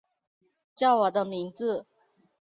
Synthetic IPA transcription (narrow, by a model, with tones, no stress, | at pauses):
t͡ɕjɑ˥˩ʊwɔ˨˩d̪ə˦mi˧˥ŋd͡zɹ̩˥˨